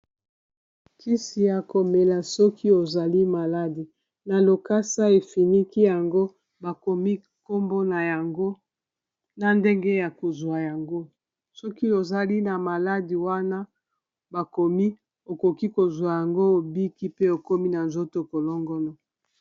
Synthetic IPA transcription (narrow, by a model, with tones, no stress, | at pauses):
kʰi˦si˨ja˨ko˨me˨la˨sɔ˦kʰi˦o˨za˨li˦ma˨la˦di˨ | na˨lo˨ka˦sa˦e˨fi˨ni˦ki˦ja˨ŋɡo˦ | ba˨ko˨mi˦ | ko˦mbo˦na˨ja˨ŋɡo˦ | na˦nde˦ŋɡe˦ja˨ko˨zwa˨ja˨ŋɡo˦ | sɔ˦ki˦o˨za˨li˦na˨ma˨la˦di˨wa˦na˦ | ba˨ko˨mi˦ | o˨ko˨ki˦ko˨zwa˨ja˨ŋɡo˦o˨bi˦ki˦pe˦o˨ko˦mi˦na˨nzo˦to˨ko˨lɔ˦ŋɡɔ˦lɔ˨